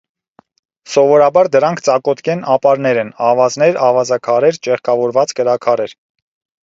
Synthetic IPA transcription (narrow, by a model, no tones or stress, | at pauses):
sɔvɔɾɑbɑɾd̪əɾɑŋkʰt͡sɑkɔt̪kʰɛnɑpɑɾnɛɾɛnɑvɑznɛɾɑvɑzɑkʰɑɾɛɾt͡ʃɛχkʰɑvɔɾvɑt͡skəɾɑkʰɑɾɛɾ